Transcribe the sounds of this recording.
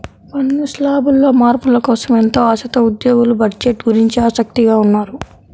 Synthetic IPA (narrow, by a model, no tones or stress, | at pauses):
pɐnːuslaːbulːo̞ːmaːɾpulɐkɔːsɐment̪o̞ːɐsɐt̪ɐud̪joːɡulubɐɖd͡ʒeʈːɡuɾiɲt͡ʃiaːsɐk̚t̪iɡaːunːaːɾu